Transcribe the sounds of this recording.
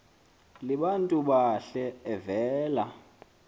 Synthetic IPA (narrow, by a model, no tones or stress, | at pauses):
liɓantʼuɓaɬɛɛvɛːla